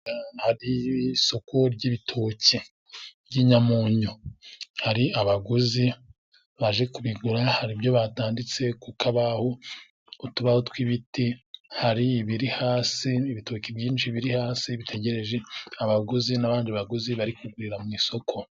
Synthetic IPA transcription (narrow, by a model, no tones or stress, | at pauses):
haɾiso̞kʰo̞ɾɟiβitʰoːci | bɟiːɲamoːɲohaɾiaβaɡuzi | βaʒe̞kuβiɡuɾahaɾibjo̞βataːndit͡se̞kukaβahoː | tuβahotwiβitihaɾiːβiɾihaːsiːβitocibjiːnʃiβiɾihaːsiβitʰeɟe̞ɾe̞ʒe̞aβaɡuzinaβaːndiβaɡuziβaɾikuɡwiɾamŋiːso̞kʰo̞